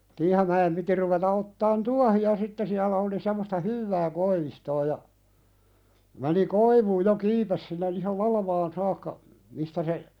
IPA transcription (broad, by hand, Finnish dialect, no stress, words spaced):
tiːhɑmæem piti ruʋetɑ otːɑːn tuɑhiɑ sitːe siælæ oli semːostɑ hyʋːæː koiʋistoː jɑ meni koiʋuːj jo kiːpes sinːe ihɑl lɑlɑʋɑːn sɑːkːɑ mistæ se